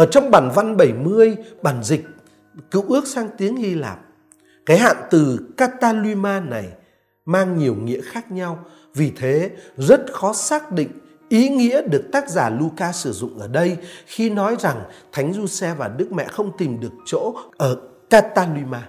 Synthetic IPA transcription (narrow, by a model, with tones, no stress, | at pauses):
ʔəː˧˩t͡ɕɔ˧wŋ͡mɓaː˧˩nva˧nɓə˧˩jmɨ˧əjɓaː˧˩nzï˨˩k̟̚ | kɨ̰˧˨wʔɨ˦˥ək̚saː˧ŋt̪i˨˦əŋhi˧la̰ː˨˩p̚ | kaː˨˦jha̰ː˧˨nt̪ɨ˨˩kaː˧t̪aː˧lwi˧maː˧na˨˩j | maː˧ŋɲi˨˩əwŋḭ˧˥əxaː˦˥k̚ɲa˧w | vi˨˩t̪ʰe˨˦zə˦˥t̚xɔ˨˦saː˦˥k̚ɗḭ˧˨ŋ̟ | ʔi˨˦ŋḭ˧˥əɗɨ˨˩ək̚t̪aː˦˥k̚zaː˧˩lu˧kaː˧sɨ˧˩zʊ̰˧˨ŋ͡mʔəː˧˩ɗə˧jxi˧nɔ˨˦jza˨˩ŋt̪ʰa˨˦jŋ̟zu˧sɛ˧vaː˨˩ɗɨ˦˥k̚mɛ̰˧˨xə˧wŋ͡mt̪i˨˩mɗɨ˨˩ək̚t͡ɕo̰˧˥ʔəː˧˩kaː˧t̪aː˧lwi˧maː˧